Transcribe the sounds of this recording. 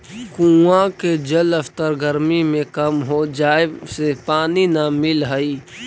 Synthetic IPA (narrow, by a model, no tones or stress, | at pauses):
kũːãked͡ʒələft̪əɾɡəɾmimẽkəmɦod͡ʒaːesepaːninamɪlɦəi